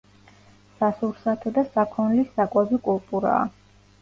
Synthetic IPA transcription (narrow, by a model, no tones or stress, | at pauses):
sasuɾsat̪ʰɔd̪asakʰɔnlisakʼwabikʼulˠt̪ʼuɾa̰ː